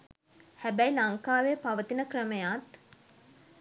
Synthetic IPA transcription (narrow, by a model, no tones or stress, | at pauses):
hæbæjlaŋkaːʋepaʋət̪inəkrəməjat̪